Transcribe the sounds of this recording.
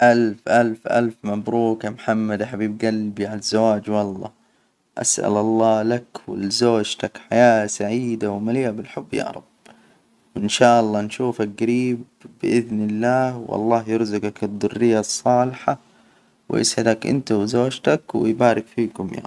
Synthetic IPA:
ʔalfʔalfʔa̰lfmabɾuːkamħamːad̪aħabiːb̚ɡalbiʕalazːawaːd͡ʒwɑlˤːɑ̰ː | ʔa̰sʔa̰lʔɑlˤːɑːlakwɪ̰lzoːd͡ʒt̪akħajaːsaʕiːd̪awmaliːʔabɪlħʊbːja̰ːɾˤɑ̰b̥ | wɪnʃaːʔɑlˤːɑːnʃuːfalɡaɾiːbː | ɪʔɪðnɪlːaːhwʔɑ̰lˤːɑːɦjʊɾzʊɡakɪd̪ˤːʊrːɪjːasˤːɑːlɪħa | w̰jɪ̰sʕɪd̪akʔɪ̰nt̪awzoːd͡ʒt̪akwɪ̰jbaːɾɪkfiːkʊmja̰

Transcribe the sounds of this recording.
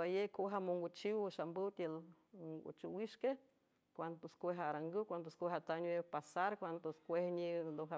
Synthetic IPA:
ajekoɦamoŋɡʷut͡ʃiwʃambɨwt̪ʲelŋɡṵt͡ʃuwiʃke | kʷant̪oskʷeɦaɾaŋɡɨkʷand̪oskʷeɦat̪aɲwepasaɾkʷand̪oskʷehɲind̪oɦa

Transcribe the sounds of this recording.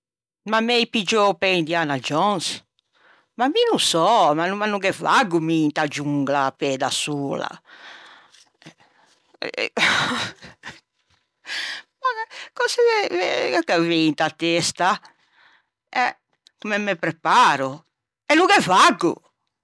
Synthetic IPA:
mamɛjpid͡ʒopɛnd̪ianad͡ʒɔns | maminusɔmanumanuɡɛva̰ɡːumint̪ad͡ʒuŋɡlapɛd̪asuːla̰ | ɛ̰ | makɔsɛvɛvɛkɛvent̪at̪ːest̪a | ɛ | kumɛmːɛpɾɛpaːɾu | ɛnuɡɛvaɡːṵ

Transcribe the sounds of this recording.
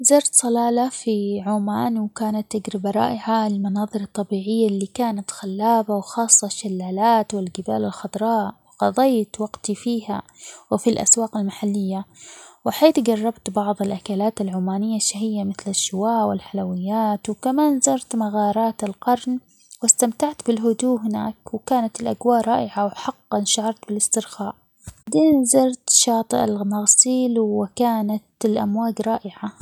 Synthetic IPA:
zɑɾˤt̪sˤɑlɑːlafiʕuːmaːnwkaːnat̪ːɪɡɾɪbaɾˤɑ̰ːʔɪʕaɪlmɑnɑːðˤɨɾɑt̪ˤːɑbiːʕɪjːalːiːkaːnat̪xalːaːbawxɑːsˤːɑʃalːaːlaːt̪wɪlɡɪba̰ːlɪlxʊd̪ˤɾˤɑːʔwɪqɑd̪ˤɑjːt̪wɑɡt̪ifiːhawɪfilʔa̰swaːqalmaħalːɪjːawɪħeːθɡɑrˤːɑbt̪bɑʕðˤɪlʔakalaːt̪alʕʊmaːnɪjːaʃahɪjːamɪθlɪʃːɪwaːʔwɪlħalawɪjːaːt̪wkamaːnzɑɾˤt̪maɣɑːɾˤɑːt̪ɪlqɑɾˤn | wɪst̪amt̪aʕt̪bɪlɦʊd̪uːɦɪna̰ːkwɪkaːnat̪ɪlʔaɡwaːʔɾˤɑːʔɪʕawħɑqːɑnʃaʕɑɾˤt̪bɪlɪst̪ɪɾxaːʔ | d̪eːnzɑɾˤt̪ʃɑːt̪ˤɨʔalmaɣsiːlwɪkaːnat̪ɪlʔa̰mwaːɡɾˤɑːʔɪʕa

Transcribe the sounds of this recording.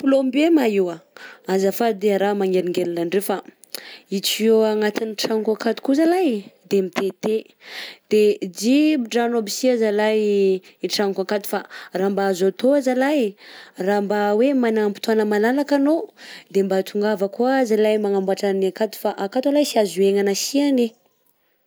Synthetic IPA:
pulombemaiwaazafad̪eaɾamaŋeɾiŋɡelulanrefa | it͡sioaŋat̪iniʈ͡ʂaŋkakat̪u̥kuzalajd̪emit̪et̪e | d̪̥ed͡ʒibɖ͡ʐanobisiazalajiʈ͡ʂaŋkakat̪u̥faraːmbaːzot̪oazalajrambawemanaampi̥t̪uanəmalalakanod̪embat̪uŋɡavəkuazilajmaŋambuaʈ͡ʂanakat̪u̥faʔakat̪alajsiazueŋanasiane

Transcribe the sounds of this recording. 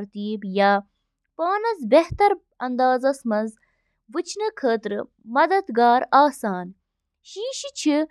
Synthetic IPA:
ɾt̪iːbja | paːnɐzbeht̪ɐɾ | ɐnd̪aːzɐsmɐz | ʋɨt͡ʃʰnɨkʰəːt̪ɾɨ | mɐd̪ɐd̪ɡaːɾaːsaːn | ʃiːʃit͡ɕʰi

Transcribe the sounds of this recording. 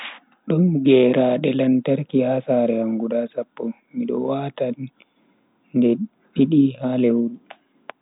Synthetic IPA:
ɗɔnɡɛːɾaːɗɛlantaɾkihasaːɾɛhaŋɡuɗasapːɔ | miɗɔ̰waːtanː | dɛ | ɗiɗihalewɗu

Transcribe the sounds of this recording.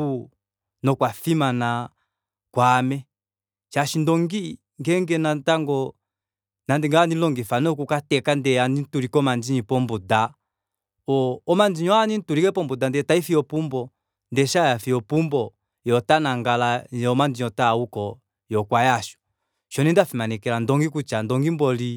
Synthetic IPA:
u | nɔkwafimana | kwamɛ | ʃaʃindɔŋɡi | ŋɡɛŋɡɛnantaŋɡɔ | nandɛŋɡaanilɔŋɡifanɔk̬ukatɛkandɛanin̩tuɾikɔmand͡ʒiɲipɔmbuda | ɔɔmand͡ʒiɲɔanin̩tuɾikɛpɔmbudandɛtaifiɔpumbɔ | ndɛʃajafiɔpumbɔ | jɔtanaŋɡalaɔmand͡ʒiɲɔtaukɔ | jɔkwajaʃɔ̥ | ʃɔnindafimanɛkɛlandɔŋɡikut͡ʃandɔŋɡimbɔli

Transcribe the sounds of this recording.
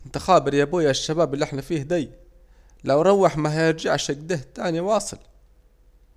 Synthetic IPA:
mt̪axaːbɪɾjabuːjaʃːabaːbɪlːiʔɪħnafiːhd̪ajː | lawɾˤɑwːɪħmaɦajɪɾd͡ʒaʕʃɪɡd̪ɪht̪aːniwɑːsˤɨl

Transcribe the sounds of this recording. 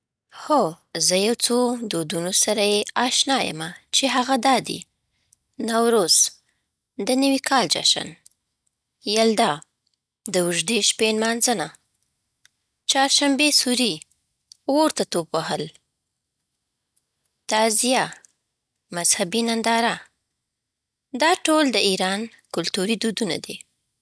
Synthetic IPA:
xo | zəjawt͡sod̪od̪unosaɾajeɑʃnɑjə̰mat͡ʃeɦaɣad̪ɑd̪ḭ | nawɾoz̥ | d̪ənəwikʰɑld͡ʒa̰ʃa̰n | jald̪ɑ | d̪əwʊʒd̪eʃpenmɑnzəna | t͡ʃɑɾʃambesuɾi | woɾt̪at̪obwahəl | t̪azija | mazhabinand̪ɑɾa | d̪ɑʈold̪əiɾɑn | kʊlt̪uɾid̪ud̪una̰d̪i

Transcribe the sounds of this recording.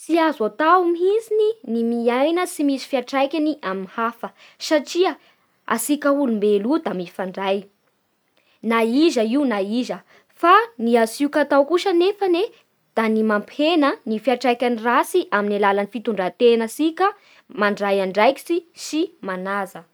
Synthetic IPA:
t͡siazat̪awmiɦizininimiajnəsimisi̥fiaʈ͡ʂajkʲaniʔaminhafə | saʈ͡ʂiə | a̰sikəulumbelud̪amifaɳɖ͡ʐaj | naizəiunaizə | faniasiukat̪awkuʃənefəne | d̪̥animampʰenənifiaʈ͡ʂajkʲanirasiʔaminalalanifit̪uɳɖ͡ʐat̪enasikə | maɳɖ͡ʐajaɳɖ͡ʐajki̥sisimanazə

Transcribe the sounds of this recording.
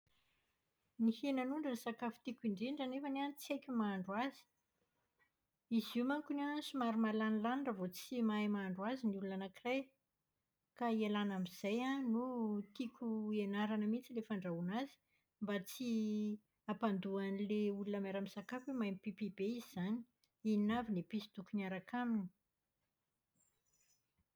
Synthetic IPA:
nihenanuɳɖ͡ʐənisakafu̥t̪ikʲiɳɖ͡ʐeɳɖ͡ʐanefaneant͡siajkʲumaːɳɖ͡ʐwazi̥ | izumaŋkunansumaɾumalanilanɖ͡ʐəvot͡simajmaːɳɖ͡ʐwaziniulunanakiraj | kaielanamiz̥ajanut̪ikʰʲuenaɾanəmit͡silefaɳɖ͡ʐaunazi̥ | mbat͡si | apand̪uanileulunəmaɾamisakafemajmipipib̥eizizani̥ | iinavinepisid̪ukunaɾakamini̥

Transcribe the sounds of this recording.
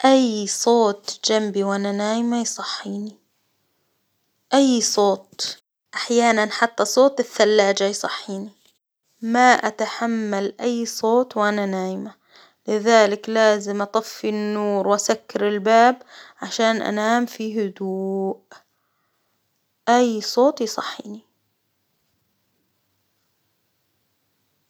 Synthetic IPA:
ʔajsˤoːt̪d͡ʒambiwʔananaːjɪmajsˤɑħːiːni | ʔajːsˤoːt̪̚ | ʔaħjaːnanħat̪ːasˤoːt̪ɪθːalːaːd͡ʒajsˤɑħːiːni | maʔat̪aħamːalʔajːsˤoːt̪wʔananaːjɪma | lɪðaːlɪklaːzɪmʔɑt̪ˤɑfːinːuːɾwʔasakːɪɾɪlbaːbʕaʃaːnʔa̰naːmfiɦʊd̪uːʔ | ʔajːsˤoːt̪ˤjsˤɑ̰ħːiːni

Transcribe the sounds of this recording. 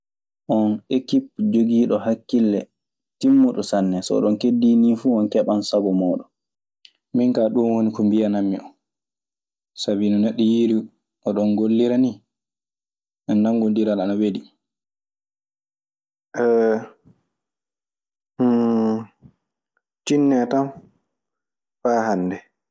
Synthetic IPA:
ʔɔnʔekip̚d͡ʒoɡiːɗɔhakːilːɛ | timːuɗɔsanːɛsɔɔ̰ɗɔnkedːiːniːfuɔnkɛɓansabɔmɔːɗɔ | miŋkaːɗunwonikumbianamːḭɔn | sabinɔnɛɗːɔjiɾi | ʔɔɗɔnɡolːiɾani | ʔɛnːaŋɡundiɾalanawedi | ʔɛ | h | t͡ʃinːɛtam | faːhandɛ

